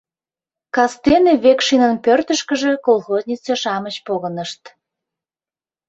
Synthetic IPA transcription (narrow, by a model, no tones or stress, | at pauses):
kɑst̪eneβekʃinənpørt̪əʃkə̆ʒĕkolˠxoznʲit͡seʃɑmət͡ɕpoɣənəʃt̪